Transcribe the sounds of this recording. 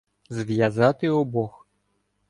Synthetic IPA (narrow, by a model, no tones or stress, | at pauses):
zʲvʲjazat̪ɨɔbɔx